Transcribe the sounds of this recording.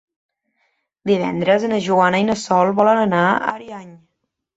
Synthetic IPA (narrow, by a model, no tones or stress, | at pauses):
d̪iβɛ̰nd̪ɾəzənəʒuanəinəsɔlˠβɔlənənaa̰ɾiaɲ